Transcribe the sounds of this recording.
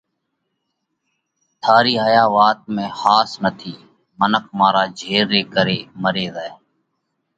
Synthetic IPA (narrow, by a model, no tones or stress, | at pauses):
t̪ʰaːɾiːɦəjaːʋaːt̪̚mẽːxaːsnət̪ʰiː | mənəkʰmãːɾaːd͡ʒʱeːɾːeːkəɾeːməɾeːzaeː